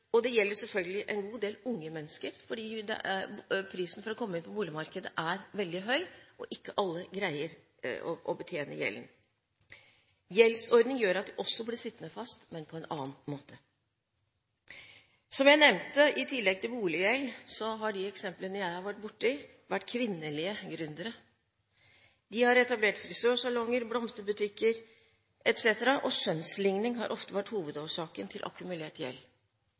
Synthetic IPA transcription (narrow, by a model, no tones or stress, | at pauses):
ɔd̪ɛjɛlːəsɛlfœlɡəlɪʔɛnɡuːd̪eːlʊŋːəmɛnːəskəɾfɔɖiːd̪ɛ̰pʰɾiːsn̩fɔɾɔkʰɔmːəɪnpʰɔbuːlɪmɑɾkəd̪əʔæɾʋɛld̪ɪɦœʏʔɔʔɪkːəʔɑlːəɡɾæɪəɾ | ɔ̰ʔɔbət̪ʰjeːnə̰jɛ̰lːən | jɛlsɔɾd̪nɪŋjøːɾɑt̪̚d̪ɪʔɔsːɔblɪʂɪt̪ːənəfɑst̪mɛnpʰɔɛnʔɑ̰ːnmoːt̪ʰə | sɔmjæɪnɛʋnt̪əʔɪt̪ʰɪlːɛɡ̚t̪ɪlbuːlɪjɛlsɔɦɑɖɪɛksɛmplənəjæɪhɑɾʋæʈbʊʈːəɪ | ʋæʈːkʰʋɪnːəlɪəɡɾʉnd̪əɾə | d̪ɪhɑɾɛt̪ɑbleːʈfɾɪsøːʂɑlɔŋːəɾblɔmsəbʉt̪ʰɪkːəɾ | ʔɛt̪sɛt̪əɾɑʔɔʂœnslɪŋnɪŋɦɑ̰ɾʔɔft̪əʋæʈːhuːʋəd̪oːʂɑːkənt̪ʰɪlʔɑ̰kʰʉmʉleːʈjɛ̰lː